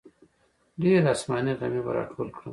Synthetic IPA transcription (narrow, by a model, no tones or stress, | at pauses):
ɖeɾasmɑniɣamibaɾɑ̰ʈʰoːlkɽu